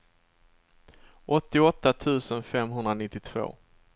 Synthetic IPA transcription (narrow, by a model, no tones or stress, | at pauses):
ʔɔt̪ːɪɔt̪ːat̪ʰʉ̟ːsənfɛmɦɵnd̪ɾanɪt̪ːɪt̪ʰv̥o̰ː